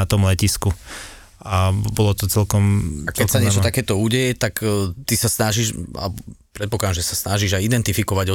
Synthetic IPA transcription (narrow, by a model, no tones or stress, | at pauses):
at̪ɔmlɛcisku | ʔabɔlɔt̪ɔt͡sɛlkɔmakɛsaɲɪɛt͡ʃɔt̪akɛːt̪ɔuɟɛjɛt̪akt̪isasnaʒiʃa̰lɛbɔpɾɛt̪̚pɔklad̪amʒɛsasnaʒiʒajid̪ɛnt̪ifikɔʋaɟɔ